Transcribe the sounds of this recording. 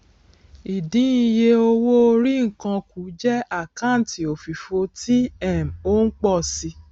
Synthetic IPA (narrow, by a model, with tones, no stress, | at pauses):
i˨dĩ˨˦i˧je˧o˧wo˦o˧ɾi˦ŋ̩˨kã˧ku˨˦d͡ʒɛ˦a˦˨kã˦n̩˨ti˨o˨fi˨fo˧ti˦ɛ˦˨m˨o˦ŋ̩˦k͡pɔ˦˨si˧